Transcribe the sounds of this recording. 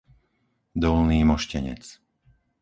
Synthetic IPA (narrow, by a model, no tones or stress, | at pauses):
d̪ɔlniːmɔʃcɛɲɛ̰t͡s